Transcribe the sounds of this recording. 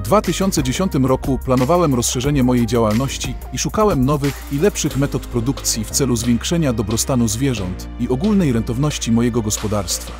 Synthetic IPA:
vd̪vat̪ɘɕɔnt̪sɛd͡ʑeɕɔnt̪ɘmɾɔkuplanɔvawɛmɾɔsʂɛʐɛɲɛmɔjejd͡ʑawalnɔɕt͡ɕi | iʂukawɛmnɔvɘxilɛpʂɘxmɛt̪ɔt̪pɾɔd̪ukt̪sʲjift̪sɛluzvʲjeŋkʂɛɲad̪ɔbɾɔst̪anuzvʲjɛʐɔnt̪ | iɔɡulnɛjɾɛnt̪ɔvnɔɕt͡ɕimɔjɛɡɔɡɔspɔd̪aɾst̪fa

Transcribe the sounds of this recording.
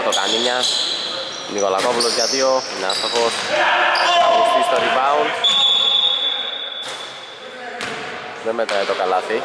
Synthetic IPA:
t̪okaniɲas | nikolakopulozɟat̪ioinaθoxos | isist̪ɐðibaun | ðɛmːɛt̪ɾait̪okalaθi

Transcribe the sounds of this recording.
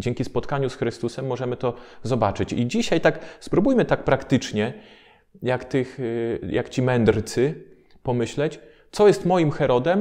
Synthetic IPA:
d͡ʑɛŋʲkʲispɔt̪kaɲusxɾɘst̪usɛmːɔʐɛmɘt̪ɔzɔbat͡ʂɘt͡ɕid͡ʑiɕajt̪akspɾubujmɘt̪ak̚pɾakt̪ɘt͡ʂɲɛ | jakt̪ɘxja̰kt͡ɕimɛnd̪ɾt̪sɘ | pɔmɘɕlɛt͡ɕ | t̪sɔjɛst̪mɔjimxɛɾɔd̪ɛm

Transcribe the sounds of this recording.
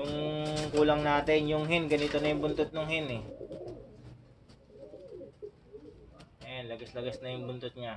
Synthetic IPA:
jʊŋkuːlɐŋnaːt̪ɪnjʊŋɦɪnɡɐnit̪onɐjʊŋbʊnt̪ot̪̚nʊŋɦɪnɛ | ɐjanlɐɡɐslɐɡɐsnɐjʊŋbʊnt̪ʊt̪̚ɲa

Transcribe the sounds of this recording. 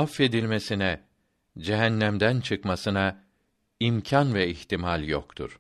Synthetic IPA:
afe̞d̪ilʲme̞sinɛ | d͡ʒeɦænːæmd̪ænt͡ʃʰɯkmasɯna | imcʰanvɛiçt̪imalʲjo̰kt̪ʰṵɾ̥

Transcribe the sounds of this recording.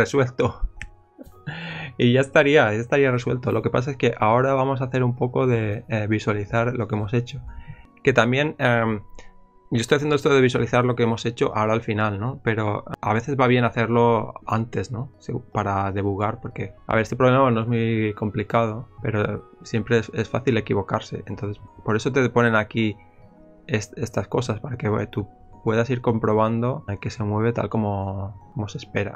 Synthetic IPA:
reswe̞lt̪o | iʝaest̪aɾiajast̪aɾiare̞swe̞̰lt̪olo̞ke̞pa̰s̬aeske̞ʔao̞ɾaβamo̞s̬aθe̞ɾumpo̞ko̞ðe̞βiswaliθaɾlo̞keemo̞se̞t͡ʃo̞ | ke̞t̪ambje̞ne | ɟ͡ʝo̞est̪ojaθjenoest̪oðeβiswa̰liθaɾlo̞keemo̞se̞t͡ʃo̞ʔa̰o̞ɾaːlfinalno̞pe̞ɾo̞a̰β̞e̞θe̞zβaβ̞je̞naθeɾlo̞ant̪e̞zno̞sepaɾaðe̞βulɣaɾpo̞ɾke̞a̰βeest̪epɾolemanoe̞zmuko̞mplikað̞ope̞̰ɾo̞ | sje̞mpɾesesfa̰θile̞kiβ̞o̞kaɾse̞̰ent̪o̞nθe̞spo̞ɾe̞sot̪e̞ðepo̞ne̞naki | esest̪asko̞saspaɾake̞βḛt̪u | pwe̞ðasiɾko̞mpɾo̞β̞and̪o̞ke̞se̞mwe̞β̞e̞t̪a̰lko̞moko̞mose̞spe̞ɾa̰

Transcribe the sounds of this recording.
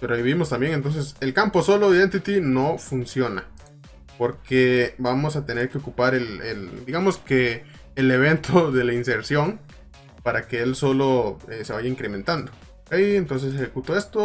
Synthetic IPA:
peɾoaβiβimost̪ambje̞ŋent̪o̞ns̬ese̞lkampo̞so̞loiðe̞nt̪it̪ino̞funsjo̞na̰ | po̞ɾkebamo̞sat̪e̞ne̞ɾkeo̞kupaɾeleld̪iɣamo̞skeː | le̞β̞e̞nt̪ʰoðe̞lainse̞ɾsjo̞ŋ | paɾake̞elso̞lo̞ese̞βaʝaiŋkɾe̞me̞nt̪and̪o | okejent̪ons̬e̞s̬exekut̪oe̞st̪o

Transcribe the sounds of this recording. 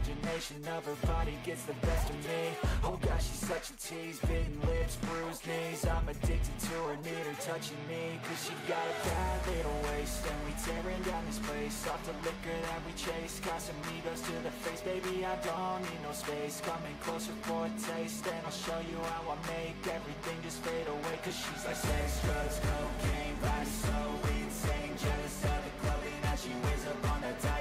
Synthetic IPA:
d͡ʒɨneɪʃɨ̃nʌv̥ə˞bɑɾiɡɛtsðɨbɛstʌvmioʊɡɑʃiz̥sʌt͡ʃɨtʰizbɪɾ̃nlɪvz̥bɹʉznizãɪ̃mɨdɪk̚tɨtʰɨə˞nɪɾə˞tʰʌt͡ʃɪ̃ŋmikʰʌz̥ʃiɡɑɾɨb̥æleɪɾəweɪstɨ̃nwitʰɛɹɪ̃ndãʊ̃nɨz̥pʰl̥eɪsɔftəlɪkə˞ðɨt̚wit͡ʃʰeɪskʰɑsɨ̃mmiɡoʊz̥tʰɨðɨfeɪsb̥eɪbiaɪdɔnɪ̃nəʊspeɪskʰʌ̃mɪ̃ŋkʰl̥oʊsə˞fʰɔtʰeɪsðɨ̃naɪlˠʃoʊjɨaʊaɪmeɪkɛvɹiθɪ̃ŋd͡ʒʌsfeɪɾəweɪkʰʌz̥ʃizaɪsɛsfɜzɡoʊkʰẽɪ̃mbaɪsoʊɪ̃nsẽɪ̃nd͡ʒɛɾɨsalˠɨkʰl̥oʊɪ̃nɨ̥ʃiwɪ̃zʌpn̩ɨtʰa

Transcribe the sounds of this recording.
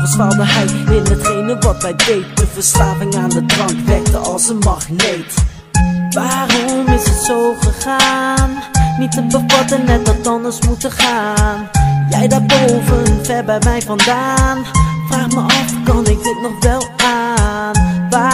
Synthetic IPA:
əsfalˠdəɛjʋɪdənətχejnəʋɑtʋɛjtʋejtdəvəɹslaːvɪŋaːndədrɑŋkʋɛk̚təɑ̰lˠsəmɑχlejt | ʋaːrɔɔmɪsətsowχəχaːnːitəbəvɑtənːɛt̚dɑt̚ɑndəɹsmutəχaːnjɛjdaːɹbowvənvɛɹbɛmɛjvɑndaːnfraːχməɑfkɑnɪk̚dɪtnɔχʋɛlˠanʋa

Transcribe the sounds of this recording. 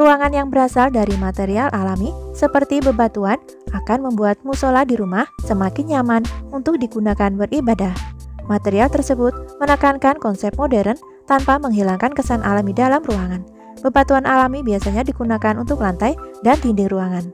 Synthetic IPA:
ruaŋanjaŋbəɾasaldaɾimat̪eɾialʔalamisəpərt̪ibəbat̪uan | ʔakanməmbuat̪̚musoladiɾumahsəmakɪnɲamanunt̪ʊk̚diɡunakanbərʔibadahmat̪eɾialt̪ərsəbʊt̪̚mənəkaŋkankɔnsɛp̚modɛɾən | t̪anpaməŋɦilaŋkankəsanʔalamidalamruaŋan | b̥əbat̪uanʔalamibiasaɲadiɡunakanunt̪ʊklant̪ajdant̪indɪŋruaŋan

